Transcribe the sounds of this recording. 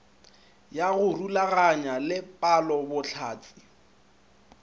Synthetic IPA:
jaɣʊrulaɣaɲalɪpʼalɔbʊt͡ɬʰaːt͡sʰʼi̥

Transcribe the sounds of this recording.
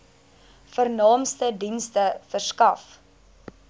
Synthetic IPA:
fərnɑːmstədinstəfərskɐf

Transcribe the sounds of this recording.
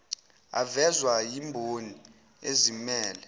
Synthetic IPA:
a̰vɛzwajimbʱoni | ezimɛːlɛ

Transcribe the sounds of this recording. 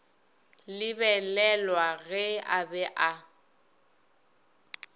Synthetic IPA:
lɪbɛlɛlwaɣɛabɛʔa

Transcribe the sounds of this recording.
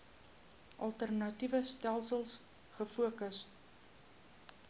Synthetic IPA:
ʔɐlˠtərnɐtivəstælˠsəlˠs | χəfuəkəs

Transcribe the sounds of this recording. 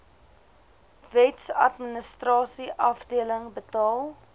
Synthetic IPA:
vɛtsɐ̰tmənəstrɑːsiʔɐfdiələŋbətɑːlˠ

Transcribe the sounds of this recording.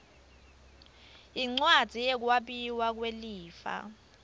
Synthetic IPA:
iŋ͡ǀwad̥ʱijɛk̬waɓiwak̬weliːfa̰

